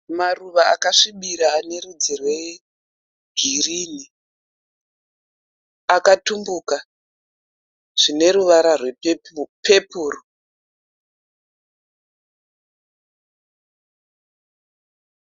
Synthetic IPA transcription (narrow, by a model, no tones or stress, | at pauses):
maruʋaa̰kaʂiɓiɾaːne̞ɾud͡zerwe̞ | ɡʱiriːni | akatumbuka | ʐ̥ine̞ɾuʋaɾarwe̞pe̞puro